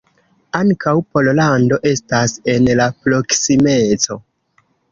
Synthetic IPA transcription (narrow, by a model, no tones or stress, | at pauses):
aŋkawpo̞llando̞ʔe̞stase̞nlapɾo̞ksime̞t͡so̞